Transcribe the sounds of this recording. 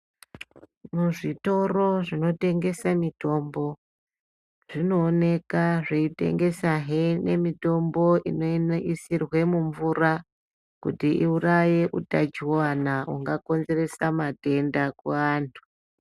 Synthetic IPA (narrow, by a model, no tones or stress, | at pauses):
muʐito̞ro̞ʐino̞te̞ŋɡe̞samito̞mbo̞ | ʐ̥ino̞ːne̞kaʐeite̞̰ŋɡe̞saɦene̞mito̞mbo̞ino̞nisirwe̞muɱvura | kutiʔiuraje̞ʔutad͡ʒiwoanauŋɡako̞nze̞re̞samate̞ndakuaːntʰu̥